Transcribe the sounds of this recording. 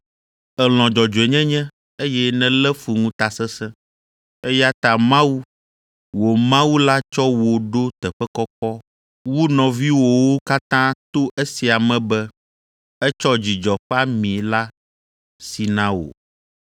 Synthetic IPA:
ɛ˨l̃ɔ̃˨d͡ʒɔ˨d͡ʒo˨e˨ɲɛ̃˦ɲɛ̃˦ | e˦jɛ˦nɛ̃˦lɛ˦fu˨ŋũ˦t̪a˨sɛ˦sɛ̃˦ | e˦ja˦t̪a˨mã˦wu˦ | wo˨mã˦wu˦la˦t͡ʃɔ˦wo˨ɖo˦t̪ɛ˨ɸɛ˦kɔ˦kɔ˦ | wu˦nɔ̃˨vi˦wo˨wo˦ka˦t̪ã˦t̪o˦ʔe˦si˨a˨mɛ̃˨bɛ˦ | ɛ˦t͡ʃɔ˦d͡ʑi˨d͡ʒɔ˨ɸa˦mĩ˨la˦ | si˨nã˦o̰˨

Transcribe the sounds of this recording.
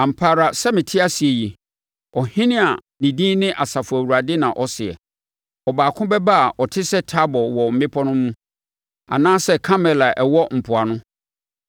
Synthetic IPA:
ã˨m̩˨pʰa˦˨ɾa˨sɛ˦mɪ̃˨tʰɪ˦a˦si˨ɛ˨ji˨ | ɔ˨hɪ̃˦nɪ̃˦a˨ | nĩ˨dĩː˦nɪ̃˦ʔa˨sa˨fʊ˨æ˨wu˨ɾa˨dɪ˦nã˨ʔɔ˦sɪ˨ɛ̰˨ | ɔ˨baː˨kʰʊ̃˦bɛ˦ba˦a˨ɔ˨tʰɪ˦sɛ˦tʰa˦bɔ˨wɔ˨m̩˨mɪ̃˦pʰɔ˦nʊ̃˦mũ˦ | a̰˨nãː˦sɛ˦kʰa˦mɛ˨la˨ʔɛ˨wɔ˦m̩˨pʰʊ˨a˨nʊ̃˦

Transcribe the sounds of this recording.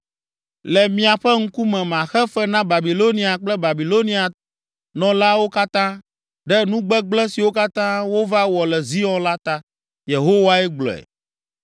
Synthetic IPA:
lɛ˨mĩ˦a˨ɸɛ˦ŋ̩˦ku˦mɛ̃˨mã˨xɛ˦fɛ˦nã˦ba˨bi˨lo˦nĩ˦a˨k͡plɛ˦ba˨bi˨lo˦nĩ˦a˨ | nɔ̃˨la˦wo˦ka˦t̪ã˦ | ɖɛ˦nũ˦ɡ͡bɛ˦ɡ͡blɛ˦si˨wo˦ka˦t̪ã˦wo˦va˦wɔ˨lɛ˨zi˦ɔ̃˦la˦t̪a˦ | je˨ɦo˦wa˦ɛ˦ɡ͡blɔ̰˨ɛ̰˨

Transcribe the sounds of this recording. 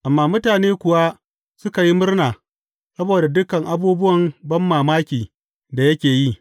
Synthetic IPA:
ʔa˨mːaː˦mʊ˦taː˨neː˦kʷʊ˨wa˦ | sʊ˦ka˨ji˦mʊ˦rnaː˨ | sɐ˦boː˨da˨dʊ˦kɐ˨ŋʔa˨buː˦bʊ˦wɐ˨mbɐ˦mːaː˨maː˦kʲiː˨ | da˨jɐ˦kʲeː˨ji˦

